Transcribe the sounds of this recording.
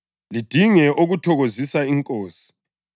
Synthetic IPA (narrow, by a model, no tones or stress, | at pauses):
lid̥ʱiŋɛʔoɣutʰɔɣozisaiŋkʼoːsi̥